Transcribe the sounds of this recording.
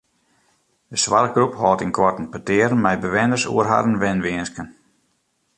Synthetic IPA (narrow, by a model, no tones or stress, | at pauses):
dəsʋarɡruphɔːtinkʰwɔrtn̩pətɪəɾn̩mɛjbəʋɪnərsṵərɦa̰dən̩ʋɪnʋɪənskən